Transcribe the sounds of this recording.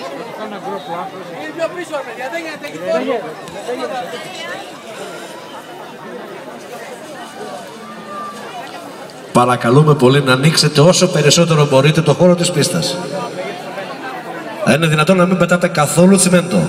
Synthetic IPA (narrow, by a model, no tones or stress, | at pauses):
pɐɾɐkɐlume̞po̞linɐːnikse̞t̪eo̞so̞pe̞ɾiso̞t̪e̞ɾo̞bo̞ɾit̪e̞t̪o̞xo̞ɾo̞t̪ispist̪ɐs | ine̞ðinɐt̪o̞nːɐmimbe̞t̪ɐt̪e̞kɐθo̞luθimend̪o